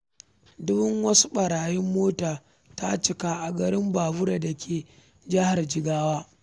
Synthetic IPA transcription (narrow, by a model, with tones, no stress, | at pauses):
dʊ˦bʊ˦ŋwɐ˦su̥˦ɓɐ˨ɾaː˨jɪ˦mːoː˦taː˨ | ta˦t͡ʃɪ˨ka˦ʔa˨ɡɐ˨ɾɪ˦mbaː˨bʊ˦ɽa˨da˨kʲʰeː˨ | d͡ʒɐ˦ha˨rd͡ʒɪ˨ɡaː˦waː˦